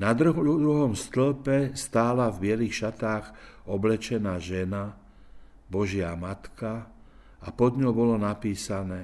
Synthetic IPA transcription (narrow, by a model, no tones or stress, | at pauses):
nad̪ɾud̪ɾuɦɔmst̪l̩pɛst̪aːlavbɪɛlixʃat̪aːɣɔblɛt͡ʃɛnaːʒɛna | bɔʒɪamat̪ka | apɔd̪ɲɔwbɔlɔnapiːsanɛː